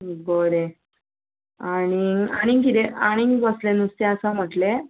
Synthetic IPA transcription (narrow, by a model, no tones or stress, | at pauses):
boɾe | añiaɽ̃iŋk̬it̪eaɽ̃iŋbəslenust̪eəsam̤əʈle